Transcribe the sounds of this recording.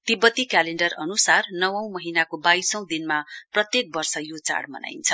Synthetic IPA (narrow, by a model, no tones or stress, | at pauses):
t̪ibʌt̪ikaleɳɖʌrʌnusarnʌwʌ̃w̃mʌɦinakobajsʌ̃w̃d̪inmaprʌt̪jek̚bʌrsʌjot͡sa̰ɽmʌ̰na̰jnt͡sʰʌ